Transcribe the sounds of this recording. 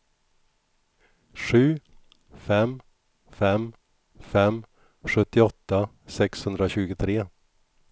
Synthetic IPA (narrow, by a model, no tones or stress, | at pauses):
ʂʉ̟ː | fɛm | fɛm | fɛm | ɧɵt̪ːɪɔt̪ːa | sɛkshɵnd̪ɾaɕʉ̟ːɡʊt̪ʰɾeː